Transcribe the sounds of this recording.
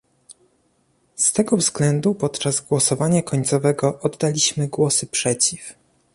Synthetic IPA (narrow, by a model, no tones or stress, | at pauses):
st̪ɛɡɔvzɡlɛnd̪upɔt̪t͡ʂazɡwɔsɔvaɲakɔɲt̪sɔvɛɡɔʔɔd̪ːalʲiɕmɘɡwɔsɘpʂɛt͡ɕif